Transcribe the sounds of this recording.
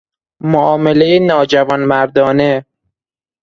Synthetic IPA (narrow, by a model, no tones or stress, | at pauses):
moʔɒːmelejenɒːd͡ʒævɒnmæɾd̪ɒːne